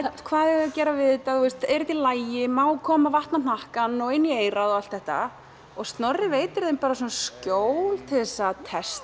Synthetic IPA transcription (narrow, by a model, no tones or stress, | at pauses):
kʰvaːðɛɣaðcɛːɾavɪðɪt̪auɪst̪ɛɾɪt̪ilaːjɪmaːwkʰɔːmavaht̪nan̥ahkanːɔɪnːieːjɾaðɔɣal̥t̪θɛht̪a̰ | ɔɣst̪nœrːɪveːjt̪ɪɾðejmpaːɾas̬ɔnascoːwlt̪ʰɪlðɛsːat̪ʰɛst̪